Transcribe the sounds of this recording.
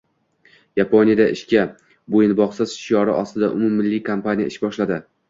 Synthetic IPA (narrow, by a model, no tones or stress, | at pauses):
japʰonʲijad̪aʔɪʃkʲa | bojɪnbɒqsɪz̥ʃijɒɾɪ̰ʔɒst̪ɪd̪aʔʊ̰mʊmːɪlːɪkʰampanʲija̰ɪʃbɒʃlad̪ɪ